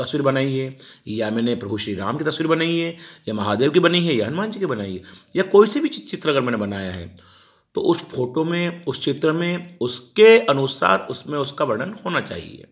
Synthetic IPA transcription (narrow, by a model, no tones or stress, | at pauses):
t̪ɐsʋiːɾibɐnaːiɦejamɛ̃ːnepɾɐbʱuʃɾiɾa̰ːmkit̪ɐswiːɾibɐnaːiɦɛjamɐɦaːd̪eːʋkibɐniɦɛjaɦɐnmaːnt͡ʃikibɐnaːiɦɛjakoːisebʱit͡ʃt͡ʃɪt̪ɾəɐɡəɾmɛ̃ːnebɐnaːja̰ɦɛ̰ː | t̪o̰ʊsfʰoːʈomẽʊst͡ʃɪt̪ɾəmẽʊskeɐnʊːsa̰ːɾʊsmẽʊskaʋɐɾɖənhoːnat͡ʃa̰ːɦḭḛː